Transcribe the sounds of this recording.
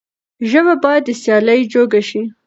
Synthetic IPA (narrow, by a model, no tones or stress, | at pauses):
ʒəβabɑjad̪ːəsjɑləjd͡ʒoɡaʃi